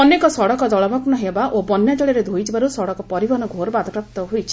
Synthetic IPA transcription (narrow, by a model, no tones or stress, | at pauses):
ɔnekɔsɔɽɔkɔd̪ɔɭɔbʱɔknɔɦebaʔobɔnjad͡ʒɔɭiɾed̪ʱojid͡ʒibaɾusɔɽɔkɔpɔɾibʱɔɦnɔɡʱoɾbad̪ʱɔpɾap̚t̪ɔɦojt͡ʃʰi̥